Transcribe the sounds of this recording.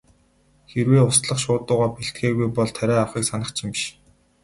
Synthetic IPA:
xerweːʊst̪ɮə̆χʃʊːt̪ʊːʁaːpeɬt̪̚ɡeːɣujpɔɮt̪ʰæɾʲæːawχiːksanə̆t͡ɕʰɪ̆mpiʃ

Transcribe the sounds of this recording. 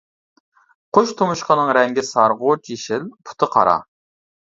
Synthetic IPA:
qʰoʃt̪ʰomuʃqɑnɨŋɾɛŋɡʲɪsɑɾʁot͡ʃjeʃɪlpʰu̥t̪ʰɨqʰɑ̰ɾɑ̰

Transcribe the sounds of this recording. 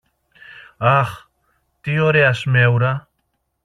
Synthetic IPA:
aχ | t̪ioɾeasmewɾa

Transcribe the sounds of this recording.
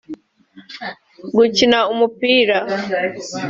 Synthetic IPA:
ɡucinaumupiːɾa

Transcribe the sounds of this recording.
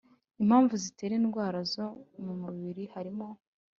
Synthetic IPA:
im̥haːɱvuzite̞ːɾenɡwaːɾazo̞mumuβiɾihaɾimo̞

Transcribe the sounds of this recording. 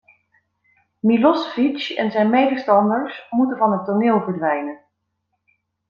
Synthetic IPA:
milɔsfit͡ʃɛ̰nzɛjnmejdəstɑndəɹsmutənvɑnɦətːonɪːlˠvəɹdʋɛjnən

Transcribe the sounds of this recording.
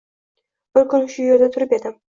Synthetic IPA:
b̥ʊɾkʊnʊʃʊjoɾd̪at̪ʰʊɾɪped̪ɪm

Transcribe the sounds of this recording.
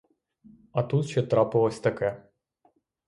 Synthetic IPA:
ɐt̪ut̪t͡ʃɛt̪ɾɑpɪlˠɔsʲt̪ɐkɛ

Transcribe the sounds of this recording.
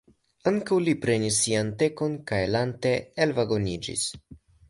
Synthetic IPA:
aŋkawlipɾe̞nisːiant̪e̞ko̞nkajlante̞elvaɡo̞nid͡ʒḭs

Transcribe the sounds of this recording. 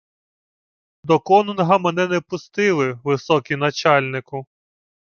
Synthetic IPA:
d̪ɔkɔnnɦɐmɛnɛnɛpʊst̪ɪlˠɪʋɪsɔkʲinɐt͡ʃɑlʲnɪkʊ

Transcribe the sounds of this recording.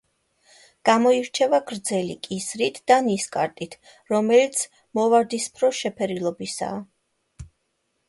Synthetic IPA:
ɡ̥amɔiɾt͡ʃʰɛvaɡɾd̪zɛlḭkʼisɾit̪ʰd̪̥aniskʼaɾt̪ʼit̪ʰ | ɾɔmɛlit̪sʰ | mɔvaɾd̪ispʰɾɔʃɛpʰɛɾilˠɔbisa̰ː

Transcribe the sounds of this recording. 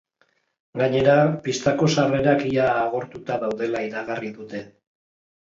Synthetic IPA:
ɡaɲe̞ɾapist̪ako̞sare̞ɾakiaːɣo̞ɾt̪ut̪aðawðe̞laiɾaɣ̞ariðut̪e̞

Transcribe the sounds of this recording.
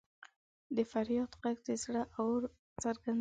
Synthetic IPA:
d̪əfaɾjɑd̪qaɡd̪əsɽaʔawɾ | t͡səɾɡan

